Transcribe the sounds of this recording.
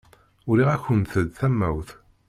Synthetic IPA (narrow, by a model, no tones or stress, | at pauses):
ʊɾiʁæçənθəd̪θæmːæ̰wθ